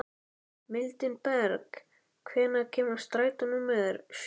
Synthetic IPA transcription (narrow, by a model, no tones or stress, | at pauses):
mɪlt̪ɪnpɛɾk | kʰvɛːnacʰɛːmḁst̪ɾaːjt̪ʏnʏmːɛðɾs